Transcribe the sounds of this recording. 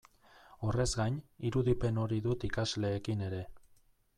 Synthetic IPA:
o̞re̞zɡaɲiɾuðipe̞no̞ɾiðut̪ikazle̞ːkine̞ɾe̞

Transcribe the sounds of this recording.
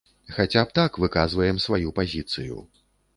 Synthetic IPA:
xat͡sʲap̚t̪akvɨkazvɐjɛmsvajupazʲit̪sɨjṵ

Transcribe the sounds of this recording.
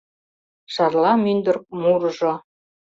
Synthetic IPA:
ʃɑrlˠɑmynd̪ɘ̆rk̚murʒŏ

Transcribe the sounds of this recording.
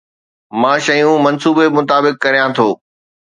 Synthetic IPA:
mãːʃɐjũmɐnsuːbemʊt̪aːbɪkːɐɾijãt̪ʰoː

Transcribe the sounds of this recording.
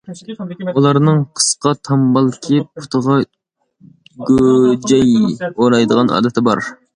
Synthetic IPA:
ulˠɑɾnɨŋqʰə̥sqɑt̪ʰɑmbɑlˠkʲʰɪpʰu̥t̪ʰəʁɑ | ɡʲød͡ʒɛjoɾɑjd̪əʁɑnʔɑ̰ːd̪ɛt̪ʰɪbɑɾ

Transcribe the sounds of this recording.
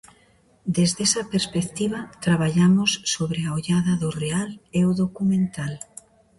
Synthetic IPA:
d̪ezðesɐpeɾspekt̪iβat̪ɾaβaʎamosːoβɾeaoʎaðɐðʊrealeoðokumẽnt̪al

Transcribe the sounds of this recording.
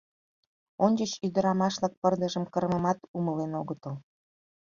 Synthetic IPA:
onʲd͡ʑət͡ɕyd̪əɾɑmɑʃlɑk̚pərd̪əʒəmkəɾməmɑt̪uməlenoɣət̪əl

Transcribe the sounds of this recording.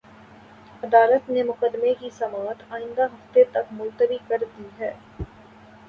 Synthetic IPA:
ɐd̪aːlət̪nemʊqəd̪mekisɐmaːt̪aːɪ̃nd̪aɦɐft̪et̪ɐkmʊlt̪əɾikɐɾd̪iɦɛː

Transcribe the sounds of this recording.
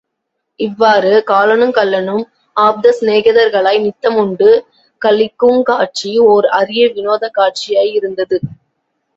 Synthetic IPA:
ɪʋːaːɾɯkaːlɐɳɯmkɐlːɐnɯm | aːb̚d̪ɐsneːɣɐðɐɾɣɐɭɐɪnɪt̪ːɐmʊɳɖɯ | kɐlɪkːɯŋkaːʈ̚t͡ʃioɾɐɾɪjɐʋɪnoːðɐkaːʈ̚t͡ʃɪjaːjɪɾɯnd̪ɐðɯ

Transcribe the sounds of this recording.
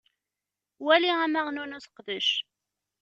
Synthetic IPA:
wæliæmæʁnunuθə̥qðəʃ

